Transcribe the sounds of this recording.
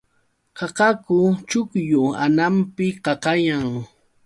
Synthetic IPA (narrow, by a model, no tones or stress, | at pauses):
qɑqɑkʊt͡ʃʊkjʊa̰nampɪqɑqɑjaŋ